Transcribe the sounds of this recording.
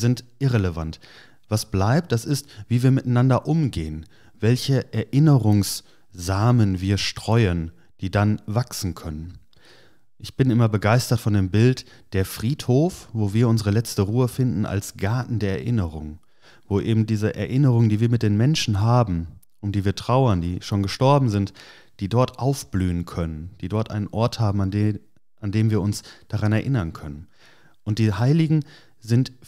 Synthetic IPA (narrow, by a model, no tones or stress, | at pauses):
zɪntʔɪʁeləvant | v̥asb̥laɪp̚t̚d̥asɪstv̥iːviːɐmɪtaɪnandɐʔʊmɡeːən | vɛlçəʔɛɐʔɪnəʁʊŋs | z̥aːmənviːɐʃtʁ̥ɔʏən | d̥iːdanvaksn̩kʰœnən | ʔɪçb̥ɪnʔɪmɐbəɡaɪstɐtfɔndeːmbɪlt | d̥eːɐfʁ̥iːthoːfvoːviːɐʊnzəʁəlɛt͡stəʁuːəfɪndn̩a̰lsɡ̥aɐtn̩deːɐɛ̰ɐʔɪnəʁʊŋ | voːʔeːbm̩diːzəʔɛ̰ɐʔɪnəʁ̞ʊŋəndiːviːɐmɪt̚d̥eːnmɛnʃn̩ɦaːbm̩ | ʊntd̥iːviːɐtʁ̥aʊɐndiːʃoːnɡəʃtɔɐbm̩zɪnt | d̥iːdɔɐtʔaʊfb̥lyːənkʰœnənd̥iːdɔɐtʔa̰ɪnənʔɔɐthaːbm̩a | ʔandeːmviːɐʊnsd̥aʁanɛɐʔɪnɐnkʰœnən | ʔʊnt̚d̥iːhaɪlɪɡŋ̩ | zɪnt